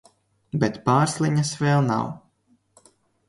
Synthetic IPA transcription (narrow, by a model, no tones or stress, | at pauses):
bɛt̪paːɾslˠiɲasvɛːlˠna̰w